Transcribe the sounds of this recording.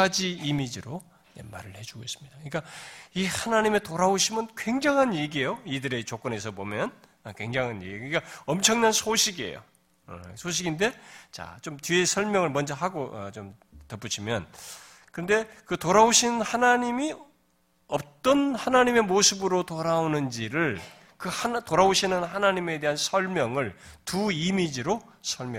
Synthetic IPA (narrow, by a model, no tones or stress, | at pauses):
ad͡ʑiːmid͡ʑiɾo | jḛmːa̰ɾɯɭhe̞d͡ʑuɡois͈ɯ̥mɲid̥aɯik͈aihanaɲime̞toɾaoɕʰimɯnkwe̞ŋd͡ʑaŋɦanjeɡiejoidɯɾe̞t͡ɕok͈ɯne̞s̬ʰʌbomjʌn | ʌkwe̞ŋd͡ʑaŋɦanjḛɡikik͈aʌmt͡ɕʰʌŋnansʰoɕʰiɡie̞̰jo̰ | sʰoɕ̬ʰiɡinde̞t͡ɕa̰t͡ɕomtie̞sʰʌɭmjʌŋɯɭmʌnd͡ʑʌɦaɡoʌ̰t͡ɕom | tʌp͈ut͡ɕʰimjʌn | kɯʌnde̞kɯtoɾaoɕʰinhanaɲimi | ʌp̚t͈ʌnhanaɲime̞mosʰɯbɯɾotoɾaonɯnd͡ʑiɾɯɭ | kɯhatoɾaoɕʰinɯnhanaɲime̞de̞ɦansʰʌɭmjʌŋɯɭtuimid͡ʑiɾo | sʰʌɭmj